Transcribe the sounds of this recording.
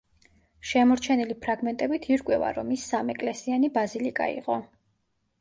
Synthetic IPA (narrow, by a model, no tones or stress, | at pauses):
ʃɛmɔɾt͡ʃʰɛnilipʰɾaɡmɛnt̪ʼɛbit̪ʰiɾkʼwɛva̰ɾɔmisːamɛkʼlɛsianibazilikʼa̰ḭqʼɔ